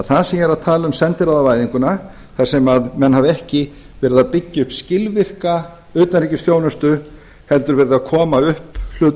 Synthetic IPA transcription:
θaðsiɛɾat̪ʰaːlʏmsɛnt̪ɪɾaðavaːjðiŋkʏna | θḁsɛmaðmɛnhavɛhcɪ | vɛːɾɪðaðpɪcːɪʏhpscɪlvɪr̥ka | ʏːt̪anriːcɪsθjoːwnʏst̪ʏ | hɛlt̪ʏɾvɛːɾɪðaðkʰɔːmaʏhpl̥ʏːt̪

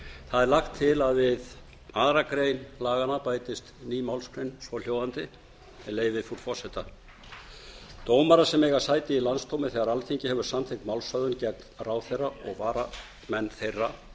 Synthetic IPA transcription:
θaðɛɾlaxt̪ʰːɪlaðvɪð | aːðɾakɾejnlaːɣanapaːjt̪ɪst̪niːmawlskʰɾejnsvɔl̥joːwðant̪ɪ | ɛleːjvɪfuɾ̥fɔ̥sɛt̪a | t̪oːwmaɾasɛmɛɣḁsaːjt̪ɪilanst̪ʰowmɪθɛːɣaɾalθiɲcɪhɛvʏɾ̥samtθʰɪknmawlsœðʏncɛk̚nraːwθejraɔɣvaːɾa | mɛnːθejrːa

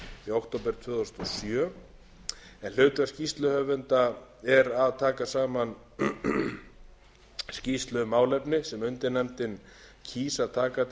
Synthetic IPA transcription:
iawkt̪ʰowpɛɾ̥t̪ʰvʏːðɔst̪ɔsjœ | ɛnl̥ʏːɥt̪ascist̪lʏhœvʏnt̪aɛɾaðt̪ʰaːkasaːman | scist̪lʏmaːwlɛpnɪsɛmʏnt̪ɪnɛmt̪ɪn | cʰiːsaðt̪ʰaːkat̪

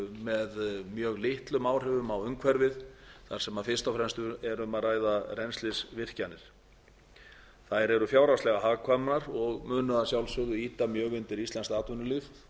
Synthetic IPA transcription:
mɛðmjœːɣlɪht̪lʏmaːwr̥ɪvʏmawʏŋkʰvɛɾvɪðθaɾ̥sɛmaðfɪst̪afɾɛnst̪ʏɾɛɾʏmaðraːjðarɛnst̪lɪsvɪr̥canːɪɾ̥ | θajɾɛɾʏfjaːwɾawstlɛɣaɦaːɣkʰvamnaɾɔɣmʏːnʏasjawlsʏɣðʏiːt̪amjœːɣʏnt̪ɪɾist̪laɛnst̪aːt̪vʏnʏlif

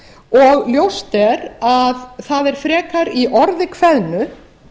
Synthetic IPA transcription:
ɔɣljowst̪ɛɾaðθaðɛɾ̥fɾɛːkaɾiʔɔɾðɪkʰvɛðnʏ

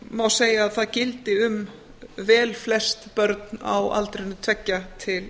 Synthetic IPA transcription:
mawseːjaːðθaðcɪlt̪ɪʏm | vɛːlflɛst̪pœɾt̪na̰wa̰lt̪ɾenʏt̪ʰv̥ɛcːat̪ʰɪl

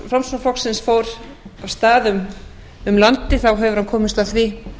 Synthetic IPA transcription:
fɾamsnaflɔksɪnsfoːwɾ | avst̪aːðʏm | ʏmlant̪ɪθawɦɛvʏɾ̥hankʰɔːmɪst̪aθvɪ

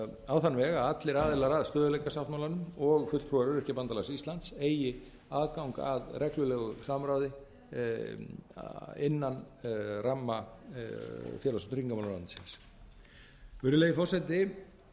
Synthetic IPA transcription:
awθanːvɛːɣaat̪lɪɾaːðɪlaɾaðst̪œːðʏlejkasaft̪mawlanʏmɔɣfʏt̪t̪ʰɔɾʏɾʏhcɪpant̪alasist̪lant̪seːjɪ | aːðkawŋka̰aðrɛklʏlɛːɣʏsamɾawðɪ | ɪnːan | ramːa | fjɛlasnt̪ʏɾiŋkamawlaɾlansɪns | vʏɾɪlejɪfɔrsɛt̪ɪ

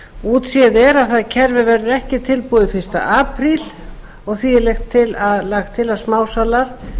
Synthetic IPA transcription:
uːt̪siðɛɾaðθaðcʰɛɾvɪvɛɾðɪɾɛhcɪt̪ʰɪlpuːðɪfɪr̥st̪a̰ʔaːpɾil | ɔɣθiɪlɛxt̪ʰːɪlaðlaːɣt̪ʰɪlaðsmaːwsalaɾ̥

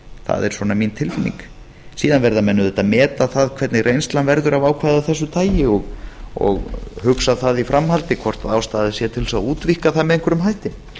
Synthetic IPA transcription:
θa̰ðɛ̰ɾ̥swɔːnamint̪ʰɪlfɪnḭŋk | siːðanvɛɾðamɛnːʏðɛht̪ːamɛːt̪aθaðkʰvɛɾt̪nɪɣrʔejnst̪lanvɛɾðʏɾavaːwkʰvaːðaθɛsːʏt̪ʰaːjɪɔɣɔ̰ɣhʏksaθaðifɾʔamhalt̪ɪkʰvɔr̥t̪aðaːwst̪aːððɪsjɛt̪ʰɪlsauːt̪vihkaθaðmɛðejŋkvɛɾʏmhajht̪ɪ

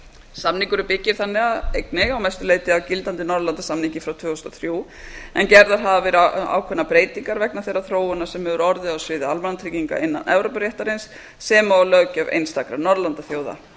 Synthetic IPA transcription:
samniŋkʏɾʏpɪcːɪɾ̥θanːɪaðejknɪɣawmɛjst̪ʏleːjt̪ɪawcɪlt̪ant̪ɪnɔɾlant̪asamnicɪfɾawt̪ʰvʏːst̪ɔθɾjuː | ɛncɛɾðaɾ̥ɦavavɪɾaa̰ːwkʰvɛnːapɾeːjt̪iŋkaɾvɛknaθejrːaθɾoːwʏnːḁsɛmhɛvʏɾɔɾðɪawsvɪːðɪalmanat̪ʰɾiciŋka̰ʔɪnːa̰nʔɛ̰vɾowpaɾjɛht̪aɾejnsː | ɛːmaɔlœcavʔḛjnst̪akɾanːɔɾðlant̪aθjoːwða̰

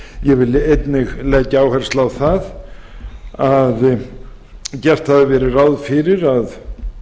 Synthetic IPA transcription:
jɛvɪlːɪejt̪nɪɣleːcːaaːwhɛr̥st̪lawθað | að | cɛr̥t̪haðɪvɛːɾɪraːwðfɪɾɪɾað

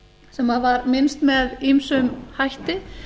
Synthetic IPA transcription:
sɛmːaðvaɾmɪnst̪mɛðimsʏmhajht̪ɪ

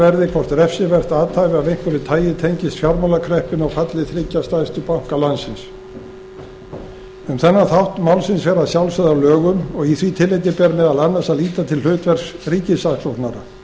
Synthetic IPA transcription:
ɛɾðɪkʰvɔr̥t̪ɾɛfsɪvɛr̥t̪aːt̪ʰaːjvɪaðejŋ̥kvʏɾɪt̪ʰaːjɪt̪ʰejɲcɪst̪fjawɾmawlakʰɾɛhpɪnɔɣfat̪lɪθɾɪcːast̪ajst̪ʏpawŋ̥kalansɪns | ʏmθɛnːaθawht̪mawlsɪnsvɛːɾasjawlsaðawlœːɣʏmɔɣiθvit̪ʰɪlːejt̪ɪpɛːɾmɛðalanːasaðliːt̪at̪ʰɪll̥ʏːt̪vɛr̥sriːcɪsasloht̪naɾa̰

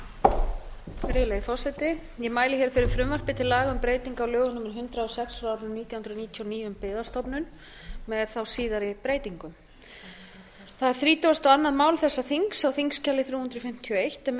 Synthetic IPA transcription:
fɾɪːlaɣɪfɔr̥sɛjt̪ɪ | jɛmaːjlɪçɛɾ̥fɪɾɪɾ̥fɾʏmvar̥pɪt̪ʰɪlːaːɣaʏmpɾeːjt̪iŋkawlœːɣʏnʏmːɪɾ̥ɦʏnt̪ɾaɔsɛksɾawɾnniːt̪jahʏnɾniːt̪ʰjɔɔniːʏmpɪːðast̪ɔpnʏn | mɛðθawsiːðaɾɪpɾeːjt̪iŋkʏm | θaðɛɾ̥θɾiːt̪ʏvast̪awanːaðmaːwlθɛsːaθiŋksawθiŋkscɛlːɪθɾuːhʏnɾɔfɪm̥t̪ʰiɔejht̪ɛ

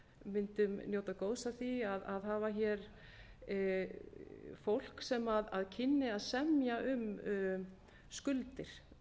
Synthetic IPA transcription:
mɪnt̪ʏmnjoːwt̪aðkoːwsaθiaðaðɦaːvaçɛɾ | fowl̥ksɛmaðaðcʰɪnːɪaðsɛmjaʔʏm | skʏlt̪ɪɾ̥

